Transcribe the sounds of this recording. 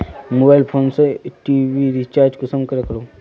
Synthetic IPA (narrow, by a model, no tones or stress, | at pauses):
mobajlfʰonsəʈiʋiɾit͡ɕaɾd͡ʑkusəmkəɾəkəɾo